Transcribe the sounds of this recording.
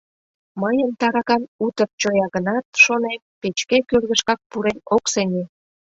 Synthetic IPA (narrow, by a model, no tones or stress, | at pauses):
məjənt̪ɑɾɑkɑnut̪ər̚t͡ɕojɑɣənɑt̪ʃonempet͡ɕkekørɣəʃkɑk̚puɾenokseŋe